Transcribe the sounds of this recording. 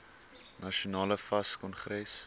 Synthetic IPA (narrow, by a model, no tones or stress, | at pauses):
nɐʃunɑːləfɐskɔnχɾɛs